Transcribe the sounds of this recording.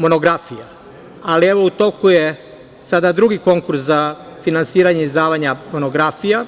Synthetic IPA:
mo̞noɡɾafija | alieʋo̞ut̪o̞kuje | sad̪ad̪ɾuɡiko̞ŋkuɾszafinansiːɾaɲeizd̪aːʋaɲamo̞noɡɾafija

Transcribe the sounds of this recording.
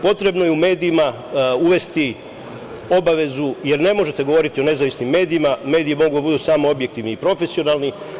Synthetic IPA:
po̞t̪ɾe̞bno̞je̞ume̞ːd̪iima | uʋe̞st̪i | o̞baʋe̞zuje̞ɾne̞mo̞ʒe̞t̪e̞ɡo̞ʋo̞ɾit̪io̞ne̞zaʋisnimːe̞ːd̪iimame̞ːd̪iimo̞ɡud̪abud̪usaːmo̞o̞bjek̚t̪iʋniipɾo̞fe̞sio̞naːlni

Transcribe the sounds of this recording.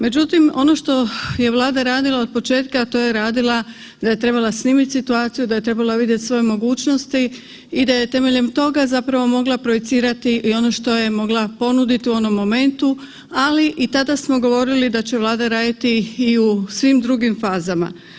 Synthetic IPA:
me̞d͡ʑut̪imo̞̰no̞ʃt̪o̞je̞ʋlˠaːd̪aɾaːd̪ilˠao̞d̪̚po̞t͡ʃe̞ːt̪kat̪o̞ːje̞ɾaːd̪ilˠa | d̪aje̞t̪ɾe̞balˠasniːmit̪ʲsit̪uaːt̪sijud̪ajet̪ɾe̞balˠaʋid̪jet̪ʲsʋo̞je̞mo̞ɡuːt͡ɕno̞st̪iː | d̪aje̞t̪e̞me̞ʎe̞mt̪o̞ɡazapɾaʋo̞mo̞ɡlˠapɾojet̪siːɾat̪iʔio̞no̞ʃt̪o̞je̞mo̞ɡlˠapo̞nud̪it̪iuo̞no̞mːo̞me̞nt̪u | aliʔit̪ad̪asmo̞ɡo̞ʋo̞ɾilid̪at͡ɕe̞ʋlˠaːd̪aɾaːd̪at̪iːusʋimd̪ɾuɡimfaːzama̰

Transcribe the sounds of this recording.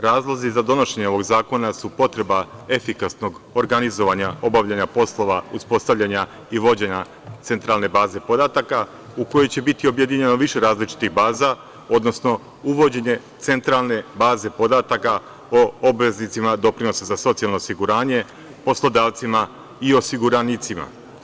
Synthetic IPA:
ɾaːzlˠozizad̪o̞no̞ʃe̞ɲeo̞ʋo̞ɡzaːko̞nasupo̞t̪ɾe̞bae̞fikasno̞ɡoɾɡanizo̞ʋaɲao̞baʋʎaɲapo̞slˠo̞ʋauspo̞st̪aʋʎʲaɲa | iʋo̞d͡ʑe̞ɲa | t̪se̞nt̪ɾalˠne̞baːze̞po̞d̪at̪aka | uko̞jo̞jt͡ɕe̞bit̪io̞bje̞d̪iɲeno̞ʋiʃe̞ɾaːzlit͡ʃi̥t̪ixbaːza | o̞d̪no̞sno̞ | uʋo̞d͡ʑe̞ɲe̞t̪se̞nt̪ɾalˠne̞baːze̞po̞d̪at̪aka | oobʋe̞znit̪simad̪o̞pɾino̞sazaso̞t̪sijalˠnoːsiɡuɾaːɲe̞ | po̞slo̞d̪aːʋt̪sima | io̞siɡuɾanit̪sima̰

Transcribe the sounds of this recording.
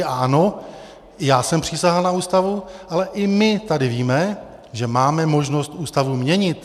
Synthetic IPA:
aano̞ | jaːsɛmpr̝̥isaɦalnauːst̪avuʔalɛʔɪmɪt̪adɪviːmɛ | ʒɛmaːmɛmo̞ʒno̞st̪ʔuːst̪avumɲɛɲɪt̪

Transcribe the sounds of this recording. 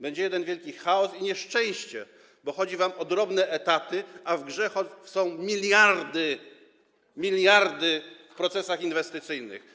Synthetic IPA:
bɛɲd͡ʑɛjɛd̪ɛnvʲjɛlkʲixaɔsiɲɛʂt͡ʂɛ̃w̃ɕt͡ɕɛ | bɔxɔd͡ʑivamɔd̪ɾɔbnɛʔɛt̪at̪ɘavɡʐɛxɔsɔ̃w̃mʲilʲjaɾd̪ɘ | mʲilʲjaɾd̪ɘfpɾɔt̪sɛsaxinvɛst̪ɨt̪sɘjnɘ̰x

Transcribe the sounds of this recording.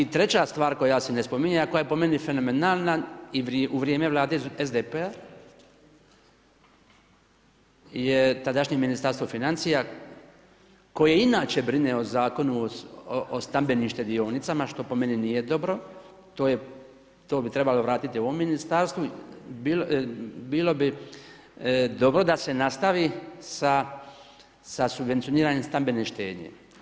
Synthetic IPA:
it̪ɾe̞t͡ɕast̪ʋaːɾko̞jasenespo̞miɲajakojajepo̞me̞nife̞no̞menaːlˠnaiʋʔuʋɾjeme̞ʋlˠaːd̪e̞ezd̪epea | jet̪ad̪aʃɲeminist̪aɾst̪ofinant̪sija | ko̞jeinaːt͡ɕebɾineozaːko̞nuoʔost̪ambe̞nimʃt̪e̞d̪io̞ːnit̪samaʃt̪o̞po̞me̞ninije̞d̪o̞bɾo̞ | t̪o̞ːje | t̪o̞ːbit̪ɾe̞balo̞ʋɾaːt̪it̪ioʋomːinist̪aɾst̪ʋubilbiːlo̞bi | d̪o̞bɾo̞d̪ase̞nast̪aʋisa | sasubʋe̞nt̪sijoniːɾaːɲemst̪ambe̞neʃt̪e̞̰ːd̪ɲḛ

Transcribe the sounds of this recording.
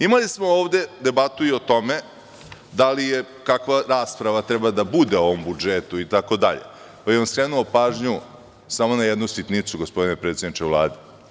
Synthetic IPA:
imalismo̞oːʋd̪e̞d̪e̞bat̪uio̞t̪o̞me̞ | d̪alije | kakʋaɾaːspɾaʋat̪ɾɛbad̪abud̪e̞oʋombud͡ʒet̪uit̪ako̞d̪aʎḛ | pajeonskɾeːnuopaːʒɲu | samo̞najed̪nusʋit̪nit̪suɡo̞spod̪inepɾe̞ːt̪sed̪nit͡ʃevlˠa̰ːd̪e

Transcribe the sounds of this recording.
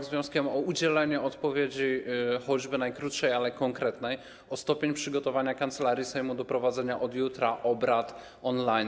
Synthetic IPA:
ɡzvjɔ̃w̃skʲɛmɔud͡ʑɛlɛɲɛɔt̪pɔvʲjed͡ʑixɔd͡ʑbɘnajkɾut̪ʂɛjalɛkɔŋkɾɛt̪nɛj | ɔst̪ɔpʲeɲpʂɘɡɔt̪ɔvaɲakant̪sɛlaɾʲjisɛjmud̪ɔpɾɔvad̪zɛɲaʔɔd̪jut̪ɾaʔɔbɾat̪ | ɔnlajn

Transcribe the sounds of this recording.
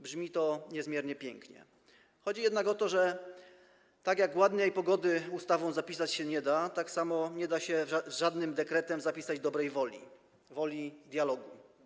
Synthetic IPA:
bʐmʲit̪ɔɲɛzmʲjɛɾɲɛpʲjɛŋkɲɛ̰ | xɔd͡ʑijɛd̪nakɔt̪ɔʐɛ | t̪aɡjaɡwad̪ɲɛjpɔɡɔd̪ɘust̪avɔ̃w̃zapʲisat͡ɕɕɛɲɛd̪at̪aksamɔɲɛd̪aɕɛzʐad̪nɘmd̪ɛkɾɛt̪ɛmzapʲisad͡ʑd̪ɔbɾɛjvɔlʲḭ | vɔlʲid̪ʲjalɔɡu

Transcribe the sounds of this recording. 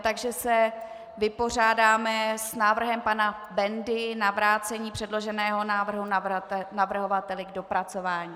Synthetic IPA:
t̪aɡʒɛsɛ | vɪpo̞r̝aːdaːmɛsnaːvr̩ɦɛmpana | bɛndɪnavɾaːt͡sɛɲiːpr̥ɛdlo̞ʒɛnɛːɦo̞naːvr̩ɦunavr̩ɦo̞vat̪ɛlɪɡdo̞pɾat͡so̞vaːɲiː

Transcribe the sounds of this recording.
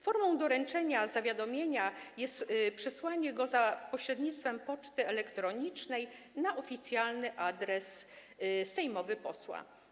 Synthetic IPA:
fɔɾmɔ̃w̃d̪ɔɾɛnt͡ʂɛɲazavʲjad̪ɔmʲjeɲajɛst̪pʂɛswaɲɛɡɔzapɔɕɾɛd̪ɲit̪st̪fɛmpɔt͡ʂt̪ɘɛlɛkt̪ɾɔɲit͡ʂnɛj | naʔɔfʲit̪sʲjalnɘʔad̪ɾɛs | sɛjmɔvɘpɔswa̰

